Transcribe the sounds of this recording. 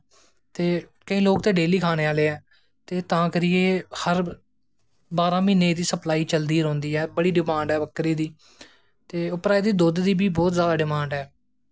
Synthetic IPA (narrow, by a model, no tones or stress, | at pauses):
t̪eːkəĩːloːk̚t̪eːɖeːliːkʰaːneːaːleːɛː | t̪eːt̪ãːkəɾɪːeːhəɾ | baːɾãːmĩːnːeːd̪iːsəplaːiːt͡ʃəld̪iːɾõːnd̪iːɛːbəɽiːɖɪmãːɳɖɛːbəkːɾiːd̪iː | t̪eːʊpɾaːiːd̪iːd̪oːd̪d̪iːbiːbɔːt̪zjaːd̪aːɖɪmãːɳɖɦɛː